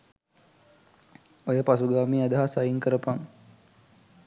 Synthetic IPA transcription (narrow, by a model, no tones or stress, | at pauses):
ojəpasuɡaːmiad̪əɦasajiŋkəɾəpaŋ